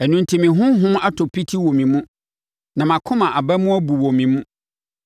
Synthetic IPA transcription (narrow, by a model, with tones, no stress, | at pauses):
ɛ˨nũ˦ntʰi˨mɪ̃˨ɦʊ̃˦ɦʊ̃˦ma˦tʰo˨pʰi˦tʰi˦wɔ˨mĩ˨mũ˦ | nã˨mã˨kʰʊ̃˦mã˨ʔa˨bæ˦mʊ̃˦æ˦bu˨wo˨mĩ˨mũ˦